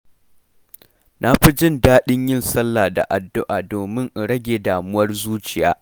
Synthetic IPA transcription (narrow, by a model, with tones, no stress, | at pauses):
nʔa˦ɸi˦d͡ʒɪ˦ndaː˦ɗɪ˦ɲjɪ˦nsɐ˦lːaː˨da̰˨ʔa˨dːʊ˦ʔaː˨doː˨mɪ˦ŋʔ̩˨ɽɐ˦ɡʲeː˨daː˨mʊ˦wɐ˦rzuː˦t͡ʃɪ˨ja̰ː˦